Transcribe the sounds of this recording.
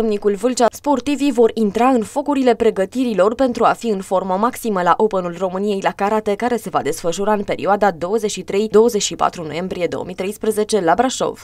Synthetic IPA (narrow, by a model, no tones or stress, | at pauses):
mnikulvɨlt͡ʃaspo̞rt̪ivivo̞ɾint̪ɾaɨnfo̞kuɾile̞pɾe̞ɡət̪iɾilo̞rpe̞nt̪ɾuafiɨnfo̞rmomaksiməlaʔopənulro̞mɨnije̞jlakaɾat̪e̞kaɾe̞se̞va̰d̪e̞sfəʃuɾaɨnpe̞ɾioad̪ad̪o̞wəzet͡ʃʲʃit̪ɾe̞jd̪o̞wəze̞t͡ʃʲʃipa̰t̪ɾuno̞̰je̞mbɾije̞d̪o̞̰wə̰mit̪ɾe̞jspɾəze̞t͡ʃe̞labɾaʃo̞̰v̥